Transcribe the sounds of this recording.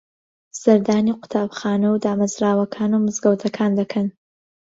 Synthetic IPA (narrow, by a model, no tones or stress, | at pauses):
zɐɾd̪aːniqʊ̥t̪ʰaːbxaːnɐwd̪aːmɐzɾaːwɐkʰaːnumɨzɡɐwt̪ʰɐkʰaːnd̪ɐkʰɐn